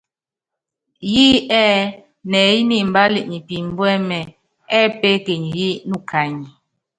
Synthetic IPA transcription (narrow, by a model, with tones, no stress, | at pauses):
ji˦ɛ˦ | nɛ˨ji˦ni˦˨m̩˨ba˦li˨ʔɲi˨pi˨m̩˦bwɛ˦mɛ˨ | ɛ˦pe˦ke˨ɲi˨ji˦nu˦˨kʰa˨ɲi˨